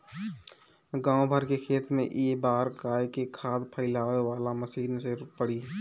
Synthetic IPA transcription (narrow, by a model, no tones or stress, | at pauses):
ɡãːõbʱəɾkekʰeːt̪mḛ̃ʔeːbaːɾɡaːjkekʰaːd̪pʰəɪlaːʋeʋaːlaməsiːnseɾpəɽiː